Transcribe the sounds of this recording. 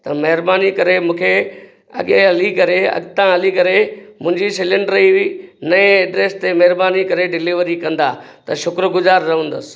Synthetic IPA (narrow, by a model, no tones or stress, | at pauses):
t̪ɐmɐɦɪɾbaːnikɐɾemũːkʰe | ɐ̰ɠeɦɐlikɐɾeɐ̰ɠt̪ãɦɐlikɐɾemʊ̃ɦɪ̃ɲd͡ʑisɪlɪ̃ɳɖɾiʋinɐẽɛːɖɾeːst̪emɐɦɪɾbaːnikɐɾeɖɪliʋəɾikɐ̃nd̪aː | t̪ɐʃʊkɾɡʊzaːɾːɐɦũːnd̪əsɪ̥̆